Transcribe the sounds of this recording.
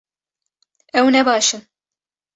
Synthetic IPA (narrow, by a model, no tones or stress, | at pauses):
ɛwnɛbɑːʃɨn